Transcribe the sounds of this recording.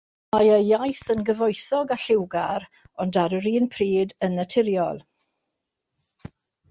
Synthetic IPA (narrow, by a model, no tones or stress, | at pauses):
majəjajθənɡəvɔjθɔɡaɬɪwɡaɾ | ɔndaɾəɾiːnpʰriːdənətʰɪɾjɔlˠ